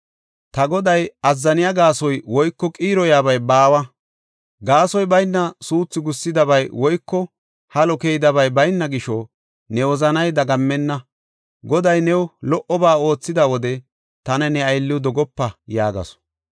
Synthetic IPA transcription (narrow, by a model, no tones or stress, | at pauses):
t̪ɐɡɔd̪ɐjɐzːɐnɪjaɡaːsɔjwɔjkːɔkʼiːɾɔjaːbɐjbaːwɐ | ɡaːsɔjbɐjnːɐsuːt͡sːɪɡʊsːɪd̪ɐβɐjwɔjkːɔ | hɐlɔkejd̪ɐβɐjbɐjnːɐɡɪʃɔ | nɛwɔzɐnɐjd̪ɐɡɐmːɛnːɐ | ɡɔd̪ɐjnɛwlɔʔɔbaːo̞ːt͡sːɪd̪ɐwɔd̪ɛ | t̪ɐnɛnɛɐjlːɪd̪ɔɡɔpːɐjaːɡɐ̰sɔ̥